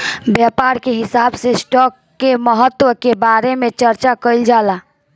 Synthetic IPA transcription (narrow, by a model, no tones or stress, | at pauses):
bjapaːɾkeɦɪsaːbsesʈɔːkːeməɦət̪ːwəkebaːɾemẽt͡ʃəɾt͡ʃakəɪld͡ʒaːlaː